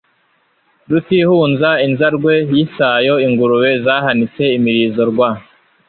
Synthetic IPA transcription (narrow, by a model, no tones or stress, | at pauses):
dut̪ihuːnzainzaɾɡwe̞jisajo̞iŋɡuɾuwe̞zaːɦanit͡se̞imiɾiːzo̞ɾɡwa